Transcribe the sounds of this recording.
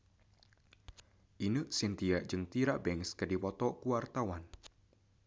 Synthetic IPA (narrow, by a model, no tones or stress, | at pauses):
ʔinəsint̪iaʔd͡ʒɨŋt̪iɾaʔbɛŋskədipɔt̪ɔkuwart̪awan